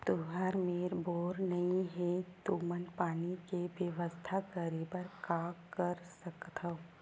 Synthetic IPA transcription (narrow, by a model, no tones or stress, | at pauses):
t̪uɦəɾmeːɾboːɾnɐɦĩɦɛt̪umənpaːnikeʋjəʋəst̪ʰakəɾibəɾkakəɾsəkt̪ʰə